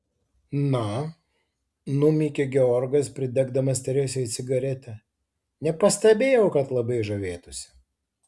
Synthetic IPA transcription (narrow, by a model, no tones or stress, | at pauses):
nɐ | nʊmʲiːkʲeɡʲɛɔɾɡɐspʲɾʲɪd̪ʲɛɡd̪ɐmɐst̪ʲɛɾʲɛsʲɛt̪sʲɪɡɐɾʲɛt̪ʲɛ | nʲɛpɐsʲt̪ʲɛbʲeːjɛʊkɐt̪lˠɐbɐɪʒɐʋʲeːt̪ʊsʲɪ̥